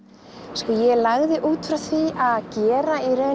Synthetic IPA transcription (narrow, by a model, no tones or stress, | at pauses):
skɔjɛlaɣðɪʔuːt̪fɾawθviʔaðcɛːɾaiɾœ